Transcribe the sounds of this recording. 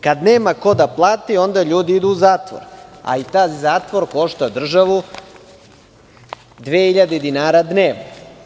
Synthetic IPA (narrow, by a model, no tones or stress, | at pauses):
kad̪neːmako̞d̪aplˠaːt̪io̞nd̪aʎuːd̪iid̪uːzaːt̪ʋo̰ɾa̰it̪aːzaːt̪ʋo̞ɾko̞ʃt̪ad̪r̩ʒaʋu | d̪ʋeːhiʎad̪ed̪inaːɾad̪neːʋno